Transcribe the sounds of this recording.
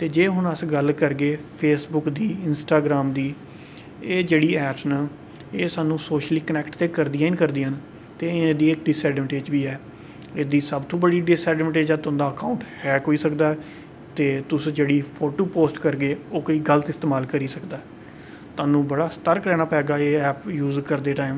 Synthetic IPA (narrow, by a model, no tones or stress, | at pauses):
t̪eːd͡ʒeːɦʊnəsɡəlkəɾɡeːpʰeːsbʊkd̪iːɪnsʈaːɡɾaːmd̪iː | eːd͡ʒeːɽiːɛːpsnaː | eːsaːnũːsoːʃliːkənɛːkʈt̪eːkəɾd̪iːaːɪnkəɾd̪iːən | t̪eːɪñːd̪iːɪk̚ɖɪsɛːɖɪmʈeːd͡ʒbiːɛː | eːd̪iːsəbt̪ʰõːbəɽiːɖɪsɛːɖʋʈeːd͡ʒãːt̪ʊ̃nd̪aːəkaːʊ̃ɳʈhɛːkoːiːsəkd̪aːɛ | t̪eːt̪ʊsd͡ʒeːɽiːpʰoːʈoːpoːsʈkəɾɡeːoːkoiːɡələt̪ɪst̪eːmaːlkəɾiːsəkd̪aːɛ | t̪ʊaːnũːbəɽaːst̪əɾkɾɛːnaːpɛːɡaːeːɛːpjuːzkəɾd̪eːʈaːim